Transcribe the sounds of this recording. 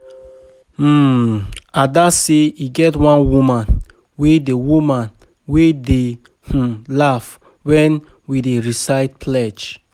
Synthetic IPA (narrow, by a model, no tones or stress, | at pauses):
adaseiɡɛtwãnwumãn | wedewumãn | wede | h̩laf | wɛ̃n | wideɹisaɪt̚pʰlɛd͡ʒ